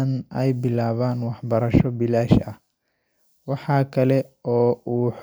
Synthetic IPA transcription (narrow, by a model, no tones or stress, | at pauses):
nɛjbɪlaːβaːnwɑħbɐɾɐʃɔbɪlaːʃɐh | wɑħɑːkʰɐlɛɔːuːħ